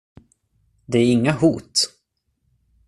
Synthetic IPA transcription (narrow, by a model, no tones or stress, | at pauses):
d̪ɛæɾɪŋːahuːt̪